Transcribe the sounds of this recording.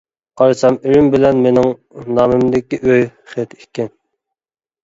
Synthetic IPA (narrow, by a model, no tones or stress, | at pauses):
qʰɑɾɨsɑmiɾɪmbɪlɛnmenɪŋnɑːmɪmd̪ɪkʲiʔøjχet̪ʰekʲʰːɛn